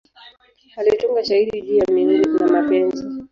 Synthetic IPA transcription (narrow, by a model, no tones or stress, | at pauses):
alituŋɡaʃahiɾiʄijaminiɾikunamapɛnzi